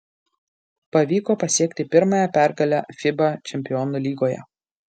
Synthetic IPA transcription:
pɐʋʲiːkoːpɐsʲiɛkt̪ʲɪpʲɪɾmɐjɛpʲæˑɾɡɐlʲæːfʲɪbɐt͡ʃʲɛmʲpʲɪjɔːnulʲiːɡoːjɛ̰

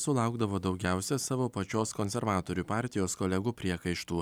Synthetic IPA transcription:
sʊlˠɑˑʊɡd̪ɐʋoːd̪ɒʊɡʲæˑʊsʲɛsɑːʋoːpɐt͡ʃʲoːskoːnʲsʲɛɾʋɑːt̪oːɾʲuːpɑˑɾʲt̪ʲɪjoːskoːlʲɛɡuːpʲɾʲiɛkɐɪʃt̪uː

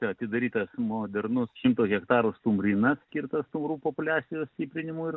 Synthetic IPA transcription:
t̪ʲɛɐt̪ʲɪd̪ɐɾʲiːt̪ɐsmoːd̪ʲɛrnʊsʃʲɪmt̪oːsɣʲɛkt̪ɑːɾost̪ʊmɾʲɪnɐsskʲirt̪ɐst̪ʊmɾuːpoːpʊlʲæːsʲɪjoːsʲt̪ʲiːpʲɾʲɪnʲɪmuɪr

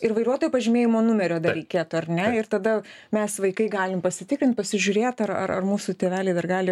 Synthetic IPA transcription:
ɪrʋɐɪɾuɔt̪oːjupɐʒʲɪmʲeːjɪmoːnʊmʲɛɾʲoːd̪ɐɾʲɛɪkʲeːt̪ʊɐɾʲnʲɛɪrt̪ɐd̪ɐ | mʲɛsʋɐɪkɐɪɡɑːlʲɪmpɐsʲɪt̪ʲɪkɾʲɪnt̪̚pɐsʲɪʒʲʊːɾʲeːt̪ɐrɐ̰rɐ̰rmuːsʊt̪ʲeːʋʲæːlʲɛɪd̪ɐrɡɑːlʲɪ

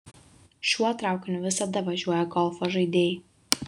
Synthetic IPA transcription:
ʃʲuɔt̪ɾɑˑʊkʲnʲʊʋʲɪsɐd̪ɐʋɐʒʲuɔjɛɡɔlˠfoʒɐɪd̪ʲeːj

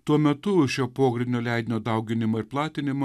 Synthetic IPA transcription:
t̪uɔmʲɛt̪ʊʃʲoːpoːɡɾʲɪnʲd̪ʲoːlʲæˑɪd̪ʲɪnʲoːd̪ɐʊɡʲɪnʲɪmɐːɪɾplˠɑːt̪ʲɪnʲɪmo

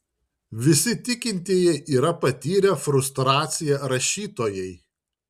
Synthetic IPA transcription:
ʋʲɪsʲɪt̪ʲɪkʲɪnʲt̪ʲiːjɛʔiːɾɐpɐt̪ʲiːɾʲɛfɾʊst̪ɾɑːt̪sʲɪjɛɾɐʃʲiːt̪oːjɛɪ

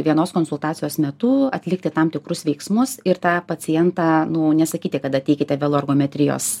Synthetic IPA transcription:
ʋʲiɛnoːskoːnsʊlˠt̪ɑːt͡sʲɪjoːsmʲɛt̪uːɐt̪ʲlʲɪkt̪ʲɪt̪ɐmt̪ʲɪkɾʊsʋʲɛɪksmʊsɪɾt̪ɑːpɐt͡s̪ʲɪjɛnt̪ɑːnʊnʲɛsɐkʲiːt̪ʲɪkɐt̪ɐt̪ʲɛɪkʲɪt̪ʲɛʋʲɛlˠoːɐrɡoːmʲɛt̪ʲɾʲɪjo̰ːs

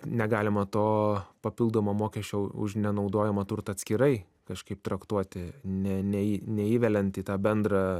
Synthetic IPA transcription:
nʲɛɡɑːlʲɪmɐt̪oːpɐpʲɪlˠd̪oːmomoːkʲɛʃʲt͡ʃʲoʊʊ̰ʃnʲɛnɐʊd̪oːjɛmɐt̪ʊɾt̪ɐt̪ʲsʲkʲɪɾɐɪ | kɐʃkɐɪpt̪ɾɐkt̪uɔt̪ʲɪnʲɛnʲɛinʲɛiːʋʲɛlʲɛnt̪iːt̪ɑːbʲɛnd̪ɾɑ

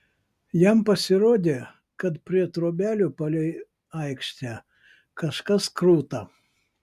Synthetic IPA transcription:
jɛmpɐsʲɪɾoːd̪ʲe | kɐt̪pʲɾʲiɛt̪ɾoːbʲæːlʲʊpɐlʲɛɪ | ɐɪkʃʲt̪ʲɛ | kɐʃkɐskɾuːt̪ɐ

